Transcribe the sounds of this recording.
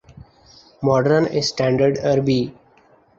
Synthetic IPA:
mɔːɖəɾnesʈæ̃ːɳɖəɾɖəɾbiː

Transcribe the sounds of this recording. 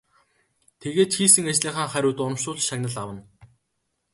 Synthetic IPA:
t̪ʰeɣeːt̪xiːsɘ̆ŋat͡ɕɮiːχaːŋχæɾʲʊːt̪ʊnɞ̆mʃʊːɮʃaɣʲnə̆ɮawə̆n

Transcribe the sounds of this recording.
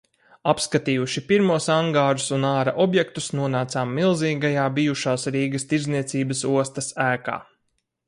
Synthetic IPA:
apskat̪iːjuʃipiɾmuɔsaŋɡaːɾusunaːɾaʔɔbjɛk̚t̪usnuɔnaːt̪saːmːilˠziːɡajaːbijuʃaːsɾiːɡɐst̪iɾzniɛt̪siːbɐsuɔst̪ɐsæːka̰ː

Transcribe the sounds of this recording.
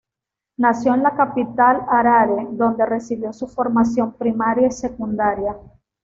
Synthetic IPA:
nasjo̞enlakapit̪alaɾaɾed̪o̞nd̪e̞re̞siβjo̞sufo̞ɾmasjo̞mpɾimaɾjaise̞kund̪aɾja

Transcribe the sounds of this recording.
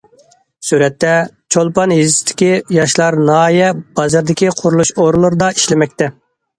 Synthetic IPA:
syɾɛt̪ːɛ | t͡ʃʰolˠpɑnɦizɪsɪ̥t̪ʰɪ̥kʲijɑʃlˠɑɾnɑːjɛbɑzɨɾd̪ɪkʲiqʰʊɾulˠuʃoɾlˠʊɾɨd̪ɑiʃlɪmɛk̚ʲt̪ɛ

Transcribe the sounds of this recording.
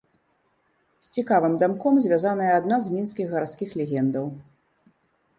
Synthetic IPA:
sʲt͡sʲikavɨmd̪amkɔmzʲvʲazanɐjɛːd̪naznʲinskʲiɣɣɐɾat̪skʲixlʲɛɣʲɛnd̪ɐw

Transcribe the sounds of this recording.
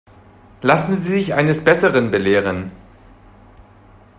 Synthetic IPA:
lasn̩ziːzɪçʔaɪnəsb̥ɛsəʁənbəleːʁən

